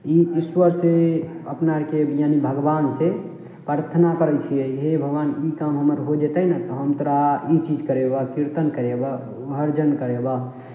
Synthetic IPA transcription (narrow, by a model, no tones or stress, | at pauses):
iiswəɾseəpnaɾkejanibʱəɡbanse | pɾaɾt̪ʰənakəɾɛt͡ʃʰijɛɦebʱəɡʋanikamɦəməɾɦod͡ʒet̪əɦnat̪ɔɦəmt̪oɾait͡ʃid͡ʒkəɾebakiɾt̪ənkəɾeba | bəɾd͡ʒənkəɾeba